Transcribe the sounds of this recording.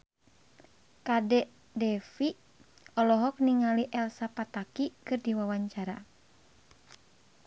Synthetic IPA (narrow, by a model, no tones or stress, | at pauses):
kadɛʔ | dɛfi | ɔlɔɦɔk̚niŋaliʔɛlsapat̪akikɨrdiwawaɲt͡ʃaɾa